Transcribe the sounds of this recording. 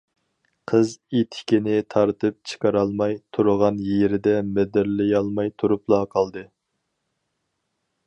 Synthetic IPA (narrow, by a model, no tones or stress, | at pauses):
qʰəzet̪ʰɪ̥kʲinɪt̪ʰɑɾt̪ʰɨp̚t͡ʃʰə̥qɑɾɑlˠmɑjt̪ʰuɾəʁɑnjeɾɪd̪ɛmɛd̪ɪɾlɪjɑlˠmɑjt̪ʰuɾuplˠɑqʰɑlˠd̪ɨ